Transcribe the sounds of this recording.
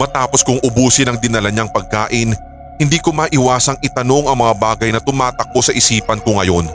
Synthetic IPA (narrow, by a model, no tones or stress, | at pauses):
mɐt̪aːpo̞skʊŋʔʊbuːsɪnɐŋd̪ɪnɐlɐɲaŋpɐɡ̚kaːʔɪn | hɪnd̪iːkomɐːʔɪwaːsɐŋʔɪt̪ɐno̞ŋɐŋmɐŋabaːɡɐjnɐt̪ʊmaːt̪ɐk̚o̞sɐʔɪsiːpɐnkoŋɐjo̞n